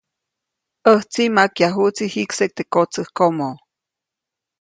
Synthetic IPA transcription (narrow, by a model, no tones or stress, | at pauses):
əht͡simakjaɦut͡sihiksek̚t̪ekot͡səhkomo